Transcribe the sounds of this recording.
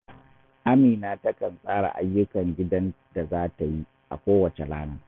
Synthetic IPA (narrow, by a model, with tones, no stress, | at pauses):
ʔa˦miː˨naː˦tɐ˦kɐ˨nsʼaː˦ɽa̰˨ʔa˦jːʊ˦kɐ˨ŋɡʲɪ˦dɐ˦n | d̥a˨zaː˦ta˨ji˦ | ʔa̰˨kʷoː˦wɐ˨t͡ʃe˨la̰ː˦naː˦